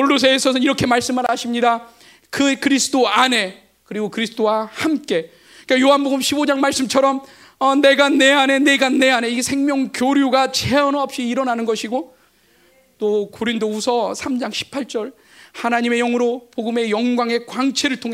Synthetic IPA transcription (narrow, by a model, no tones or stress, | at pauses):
oɭːus̬ʰeːsʰʌsʰʌniɾʌkʰe̞maɭs͈ɯmɯɾaɕʰimɲida | kɯkɯɾisʰɯ̥t͈oane̞ | kɯɾiɡokɯɾisʰɯ̥t͈ʰowahamk͈e̞ | kajoɦanboɡɯmɕʰibod͡ʑaŋmaɭs͈ɯmt͡ɕʰʌɾʌm | ʌne̞ɡane̞ane̞ne̞ɡane̞ane̞isʰe̞ŋmjʌŋkjoɾjuɡat͡ɕeʌnoʌp̚ɕ͈iːɾʌnanɯnɡʌɕʰiɡo | t͈okoɾindousʰʌsʰamd͡ʑaŋɕʰi̥pʰaɭt͡ɕ͈ʌɭ | hanaɲime̞jʌŋɯɾopoɡɯmejʌŋɡwaŋe̞kwaŋt͡ɕʰe̞ɾɯɭtʰoŋe